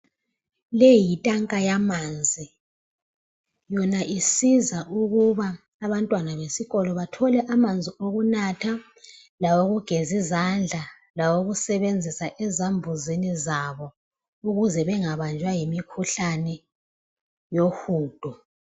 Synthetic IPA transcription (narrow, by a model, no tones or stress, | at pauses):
lejitʼaŋkʼajamand͡zʱi | jɔnaʔisizaʔuɣuβaː | βantʼwanaβesiɣɔlɔβatʰɔlɛʔamand͡zʱioɣunatʰa | lawoɣuɡ̥ʱezizand͡ɮʱa | lawoɣusɛβend͡zʱisaʔɛzambʱuzinizaβɔ | uɣuzɛβɛŋaβand͡ʒʱwajimikʰuɬanɛ | joxuːd̥ʱɔ